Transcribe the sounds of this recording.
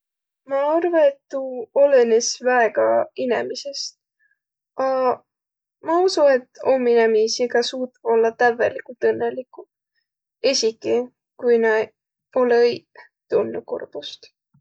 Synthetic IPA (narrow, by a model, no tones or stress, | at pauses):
mɑɑrvɑet̪ːuo̞lenesvæeɡ̥ɑinemise̞st̪ | ɑ | mɑusue̞t̪ːo̞mːinemiːsiɡ̥ɑsuːt̪ːo̞lːɑt̪ævḛlikult̪ɤnːelikːu | esʲikːˑi | kujnɑ | olej | t̪unːukṵrb̥ust̪